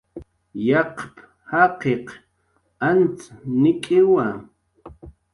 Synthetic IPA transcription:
jɑqp | haqeq | ant͡snɪkʼɪwa

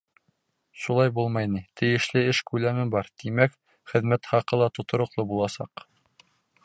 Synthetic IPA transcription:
ʃulˠɑjbulˠmɑjnit̪ʰɘ̆jɘ̆ʃlɘɘʃkʉlæmɘbɑɾt̪imæk | χɘ̆ðmæt̪χɑqɤlˠɑt̪ŏt̪ŏɾŏqlˠɤbulˠɑsɑq

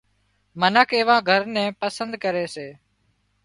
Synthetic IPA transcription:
mənəkʰeːʋãːɡʱəɾnɛ̃ːpəsənd̪kəɾeːseː

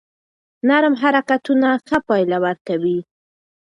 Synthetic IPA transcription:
naɾəmɦaɾakat̪unaxəpɑjlawaɾkawi

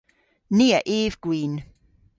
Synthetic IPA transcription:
niːəʔiːvɡ̥wiːn

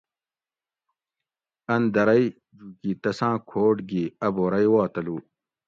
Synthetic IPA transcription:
ɐnd̪ɐɾɐi | d͡ʑukit̪ɐsãːkʰoːʈɡiɐboɾɐjwaːt̪ɐluː

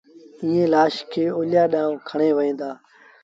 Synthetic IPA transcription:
ĩːẽːlaːʃkʰeːoːljaːɗãːʋ̃kʰəɳ̃eːʋəĩːnd̪aː

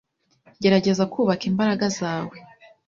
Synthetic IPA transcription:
ɟe̞ɾaɟe̞zakuːβakimbaɾaɡazaːwe̞

